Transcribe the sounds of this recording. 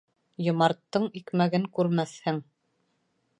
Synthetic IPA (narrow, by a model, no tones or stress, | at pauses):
jŏmɑɾt̪ːɤɴikmæɡɘŋkʉɾmæθhɘŋ